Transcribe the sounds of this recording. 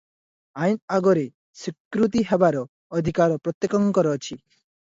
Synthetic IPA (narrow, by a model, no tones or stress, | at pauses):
ajnaɡɔɾe | sikɾut̪̬iɦebaɾɔː | d̪ʱikaɾɔpɾɔt̪jekɔŋkɔɾɔt͡ʃʰi